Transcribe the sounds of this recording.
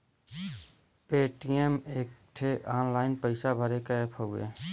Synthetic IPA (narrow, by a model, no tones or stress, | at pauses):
peːʈiemeːk̚ʈʰeʔaːnlaːɪnpəɪsabʱəɾekaepʰoɡḛ